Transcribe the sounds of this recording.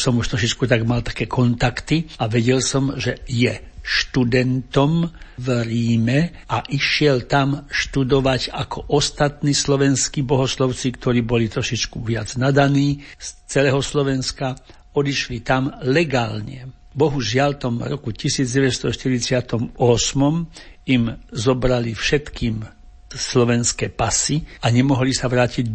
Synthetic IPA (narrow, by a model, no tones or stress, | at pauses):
sɔmuʃt̪ɾɔʃit͡ʃkut̪aɡmalt̪ḁkɛːkʰɔnt̪akt̪iaʋɛɟɛlsɔmʒɛjɛʃt̪ud̪ɛnt̪ɔmvɾiːmɛaʔiʃɪɛlt̪amʃt̪ud̪ɔʋaɟakʰɔʔɔst̪at̪niːslɔʋɛnskibɔɦɔslɔʊt͡sikt̪ɔɾiːbɔlit̪ɾɔʃit͡ʃkuʋɪad͡znad̪aniːst͡sɛlɛːɦɔslɔʋɛnska | ɔd̪iʃlit̪amlɛɡaːlɲɛ | bɔɦuʒɪalt̪ɔmɾɔkucisiːd͡zɟɛʋɛcst̪ɔʃt̪iɾit͡sɪat̪ɔmɔsmɔmimzɔbɾalifʃɛt̪kiːm | slɔʋɛnskɛːpasiaɲɛmɔɦlisaʋɾaːciɟ